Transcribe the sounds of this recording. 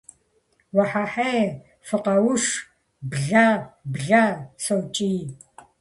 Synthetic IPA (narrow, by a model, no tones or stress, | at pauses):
wɐħaħej | fɨqɐwʊʂ | bɮaːbɮaːsɐwt͡ʃʼiː